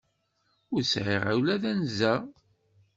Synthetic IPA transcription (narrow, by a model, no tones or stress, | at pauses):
ʊɾsʕɪʁa̰wlæðænzæ